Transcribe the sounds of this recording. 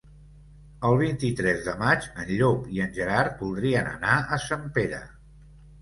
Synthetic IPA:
əlˠβ̞int̪it̪ɾɛzðəmat͡ʃənʎopiənʲʒəɾaɾbulˠd̪ɾiənə̰naəsampeɾə̰

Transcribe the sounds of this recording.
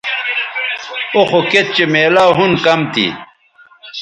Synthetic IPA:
oxoket̪̚t͡ɕemeːlaːɦunkɐmt̪ḭ

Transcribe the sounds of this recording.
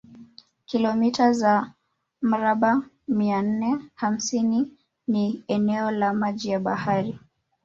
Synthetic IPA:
kilɔmitaza | m̩ɾaɓa | mian̩nɛham̩sini | niɛnɛɔlamaʄijaɓahaɾi

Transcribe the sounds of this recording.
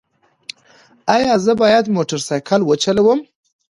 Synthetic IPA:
ɑjɑzəbɑjad̪moʈaɾsɑjkʰalwət͡ʃalawəm

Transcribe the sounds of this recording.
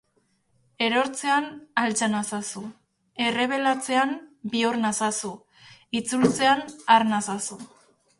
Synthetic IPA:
e̞ɾo̞ɾt͡se̞analt͡sanasasu | e̞re̞β̞e̞lat͡se̞anbioɾnasasu | it͡sult͡se̞anaɾnasasu

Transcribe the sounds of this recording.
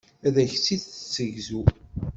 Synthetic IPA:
æðæçt͡sːiðθə̥t͡sːəʝzu

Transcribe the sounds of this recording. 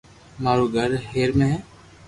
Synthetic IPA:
maːɾuːɡʱəɾɦeːɾmẽː

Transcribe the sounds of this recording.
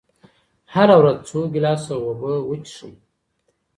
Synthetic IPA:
ħaɾawɾadt͡sʷʰuɡʲilasawabɨwʊt͡ʃʰʂṵtʼ

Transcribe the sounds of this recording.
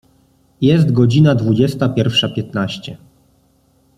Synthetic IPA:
jɛst̪ɡɔd͡ʑinad̪vud͡ʑɛst̪apʲjɛɾfʂapʲjɛt̪naɕt͡ɕɛ

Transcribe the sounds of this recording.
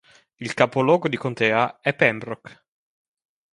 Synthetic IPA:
ilkapolɔːɡod̪ikont̪ɛːaɛpːɛmbɾɔk

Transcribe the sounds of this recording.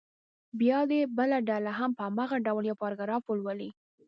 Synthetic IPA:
bjɑd̪ebəlaɖalaɦampəamaɣaɖawljawkɑɾɡaɾɑfəlwəli

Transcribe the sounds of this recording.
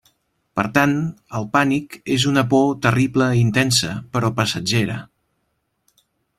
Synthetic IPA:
pəɾt̪anəlˠpanikezunəpot̪əripləint̪ɛnsə̰pəɾɔpəsəd͡ʒeɾə

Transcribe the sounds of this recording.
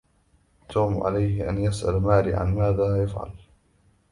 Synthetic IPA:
t̪ʰuːmʕa̰lajhɪʔanjasʔa̰lmaːliːʕa̰nmaːðaːjafʕa̰l

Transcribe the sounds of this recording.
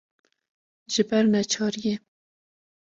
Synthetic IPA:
ʒɪbæɾnɛt͡ʃʰɑːɾje

